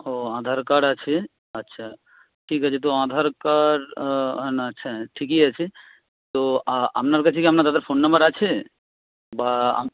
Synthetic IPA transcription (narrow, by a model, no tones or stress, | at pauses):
oãd̪ʱaɾkaɾat͡ɕʰe | əːɕʰa | ʈʰikɦat͡ɕʰet̪̬oãd̪ʱaɾkaɾɦnaətːɕʰaʈʰikiat͡ɕʰe | t̪oa̰mnaɾkat͡ɕʰekiamnaɾd̪ad̪aɾfonːɐmbəɾat͡ɕʰe | baa̰